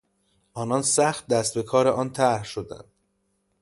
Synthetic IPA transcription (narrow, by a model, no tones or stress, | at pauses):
ʔɒːnɒːnsæxt̪̚d̪æst̪̚be̞kʰɒːɾeʔɒːnt̪ʰæɾhʃod̪æ̰nd̪̥̚